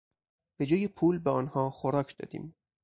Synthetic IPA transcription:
b̥ed͡ʒɒːjepʰuːlbeɒːnhɒːxoɾɒːkʰd̪̥ɒ̰ːd̪ḭːm

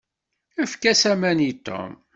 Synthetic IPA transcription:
æfkæsæmænit̪ːo̰m

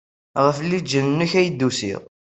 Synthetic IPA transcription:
ʁəflːid͡ʒːənnːʊçæjəd̪ːusḭʁ

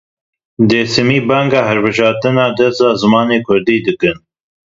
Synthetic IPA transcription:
d̪eːsɨmiːbɛŋɡɑːɦɛɾbɨʒɑːɾt̪ɨnɑːd̪ɛst̪ɑːzɨmɑːneːkʰʊɾd̪iːd̪ɨkɨn

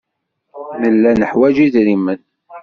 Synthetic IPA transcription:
nəlːænəħwæd͡ʒiðɾimən

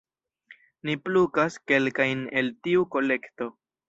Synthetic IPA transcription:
niplukaske̞lkajne̞̰ltiuko̞le̞kto̞

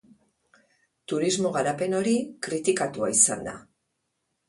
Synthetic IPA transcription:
t̪uɾizmo̞ɣ̞aɾape̞no̞ɾikɾit̪ikat̪uaisa̰nd̪a̰

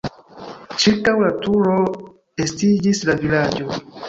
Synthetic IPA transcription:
t͡ʃiɾkawlatuɾo̞ | estid͡ʒislavilad͡ʒo̞

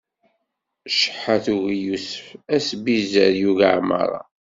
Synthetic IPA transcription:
ʃə̥ħːaθuɣijusə̥fæsbizəɾjuʝaʕmɑ̰ɾˤɑ̰

